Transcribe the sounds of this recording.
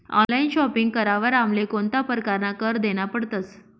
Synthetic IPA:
ɔ̰̃lainɕɔpiŋɡkəɾaʋəɾamlekont̪apəɾkaɾnakəɾd̪eɽ̃apəɽt̪ət͡s

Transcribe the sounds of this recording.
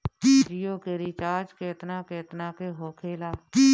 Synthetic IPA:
kiːd͡ʒɪjoːkeːɾiːt͡ʃaːd͡ʒkeːt̪nãːkeːt̪nãːkeːɦoːkʰeːlaːi

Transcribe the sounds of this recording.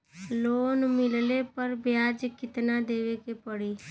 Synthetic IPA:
loːnmɪllepəɾbjaːd͡ʒkɪt̪nad̪eːʋekepəɽiː

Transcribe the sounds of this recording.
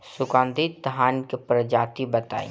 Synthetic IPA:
sʊkãːnd̪ʱit̪̚d̪ʱɦaːnkepɾəd͡ʒaːt̪ibət̪a̰ːḭ

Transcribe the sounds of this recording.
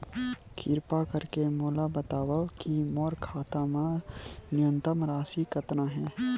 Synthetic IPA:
kʰɪɾpakɐɾkemoːlabət̪aːwakimɔːɾkʰaːt̪ãmãnɪjə̃nt̪əmɾaːsikɐt̪nãɦɛ̃ː

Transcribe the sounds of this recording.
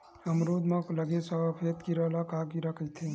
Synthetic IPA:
ɐmɾuːd̪mãkləɡesapʰeːt̪kiɾalakaːkiɾakʰət̪ʰe

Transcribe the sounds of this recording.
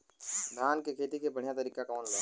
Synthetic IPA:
d̪ʱaːnkekʰeːt̪ikebɐɽ̤ijat̪ɐɾiːkakɔːnlaː

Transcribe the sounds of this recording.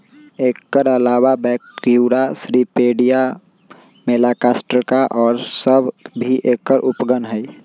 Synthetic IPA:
eːkːəɾəlaːwabɛːkjuːɾasɾipeːɖija | meːlaːkaːsʈəɾkaʔɔːɾsəbbʱiʔeːkːəɾʔʊpɡənɦɛi

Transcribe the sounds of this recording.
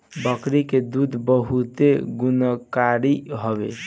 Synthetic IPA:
bəkɾiked̪ud̪ʱbəɦut̪eɡunəkaɾiɦobḛ

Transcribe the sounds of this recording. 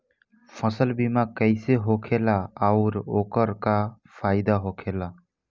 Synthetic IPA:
pʰəsəlbimakəɪseɦokʰelaaʊɾoːkəɾka | pʰaɪd̪aɦokʰela

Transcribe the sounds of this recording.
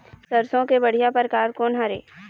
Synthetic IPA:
sɐɾsõkebɐɽ̤ijapəɾkaːɾkoːnɦaɾḛː

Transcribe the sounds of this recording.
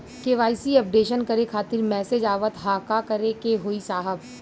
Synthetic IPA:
keʋaːɪsiɐp̚ɖeːʃənkɐɾekʰaːt̪ɪɾmɛːsed͡ʒaːʋət̪ɦaːkakɐɾekeɦoːisaːɦəb

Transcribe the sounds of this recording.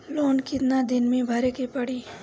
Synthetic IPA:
loːnkɪt̪nad̪ɪnmẽbʱɐɾekepɐɽi

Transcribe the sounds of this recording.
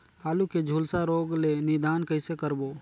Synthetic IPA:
aːluked͡ʒʱuːlsaɾoːɡlenɪd̪aːnkəɪsekəɾboː

